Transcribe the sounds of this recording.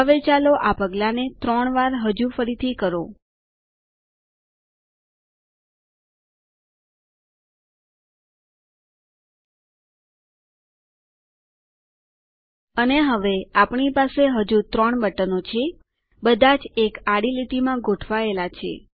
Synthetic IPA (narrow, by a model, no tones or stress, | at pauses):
ɦəʋet͡ʃaloʔapəɡlanet̪ɾəɳʋaɾɦəd͡ʒufəɾit̪ʰikəɾo | əneɦəʋeapɳipaseɦəd͡ʒut̪ɾəɳbəʈənot͡ʃʰe | bəd̪ʱad͡ʒekaɽiliʈimãɡʱoʈʰʋaelat͡ʃʰḛ